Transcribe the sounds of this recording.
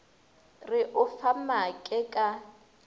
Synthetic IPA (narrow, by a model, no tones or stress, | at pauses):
rɪʔʊfamakʼɛkʼa